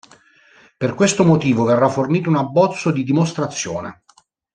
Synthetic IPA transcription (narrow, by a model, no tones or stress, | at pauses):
perkwest̪omot̪iːvoverːaforniːt̪ounabːɔt̪sːod̪id̪imost̪ɾat̪sːjoːnḛ